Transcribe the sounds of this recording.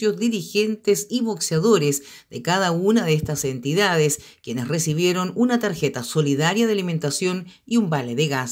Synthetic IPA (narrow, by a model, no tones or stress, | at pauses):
jozdiɾixent̪esiβo̞ksjaðoɾes | d̪ekaðaunaðeest̪asent̪iðaðes | kje̞nesresiβje̞ɾo̞nunat̪aɾxet̪aso̞liðaɾjaðealime̞nt̪asjon | iumbaleðeɣas